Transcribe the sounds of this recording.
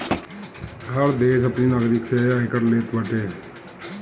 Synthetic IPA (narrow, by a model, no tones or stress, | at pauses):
ɦəɾd̪eːʃɐpninaːɡɾɪkseaɪkəɾleːt̪bəʈʰeː